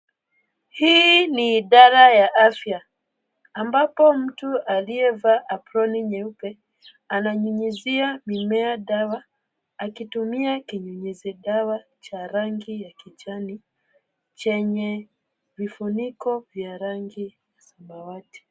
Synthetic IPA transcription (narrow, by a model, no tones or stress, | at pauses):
hiniːɗaɾajaʔafjaː | mbapɔm̩tualiɛvaʔapɾɔniɲɛupɛ | anaɲuɲiziamimɛaɗawaː | kitumiakiɲuɲizɛɗawa | t͡ʃaɾaŋɡijakit͡ʃani | t͡ʃɛɲɛ | vifunikɔvjaɾaŋɡijasambawati̥